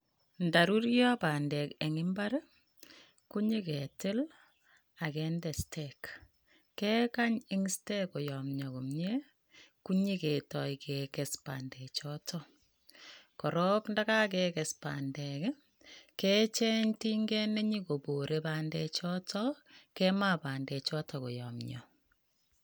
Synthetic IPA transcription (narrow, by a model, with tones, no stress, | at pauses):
nda˨ɾu˦ɾjɔ˦paː˨ndɛ˨ke˨ŋɪ˦mba˦ɾ | ku˦ɲikɛ˨tɪ˦l | a˨kɛndɛ˨stɛk | kːe˦ka˦ɲɪ˦ŋsteko˨jɔ˨mɲɔ˨ku˨mɲe˦ | kuɲi˦ke˨tɔ̰˨jkekɛspa̰ːndɛt͡ʃɔ˦tʰɔ | kɔ˨ɾɔ˦knda˦ka˦kekɛ˨spa̰ndɛkɛ˦ | ke˦t͡ʃɛ˦ɲti˦ŋɡɛ˦ne˦ɲi˦ko˨bo˨ɾe˦baː˨ndɛ̰t͡ʃɔ˦tʰɔke˦ma˦paː˨ndɛ˨t͡ʃɔ˦tʰɔko˨jɔmɲɔ̰˨